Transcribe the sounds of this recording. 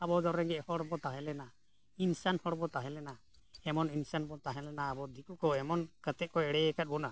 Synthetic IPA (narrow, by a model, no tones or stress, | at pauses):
abɔd̪ɔɾɾɛŋɡɛʔhɔɽbɔt̪aɦɛ̃lɛna | insanhɔɽbɔt̪aɦɛ̃lɛna | hɛmɔninsanbɔt̪aɦɛ̃lɛnaːbɔd̪ikukɔɛmɔnkat̪ɛʔ̚kɔɛɽɛɛkat̪̚bɔna